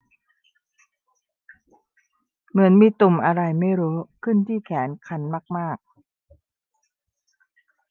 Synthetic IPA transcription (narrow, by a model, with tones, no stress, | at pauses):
mɯ˩˦ənmiː˧t̪u˨˩mʔa˧ɾa˧jma˥˩jɾuː˦˥kʰɯ˥˩nt̪ʰiː˥˩kʰɛː˩˦nkʰa˧˥nmaː˥˩k̚maː˥˩k̚